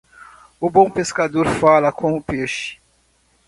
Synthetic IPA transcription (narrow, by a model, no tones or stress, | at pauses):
ʊbõw̃peskad̪oɾfalɐkõʊpeʃɪ̥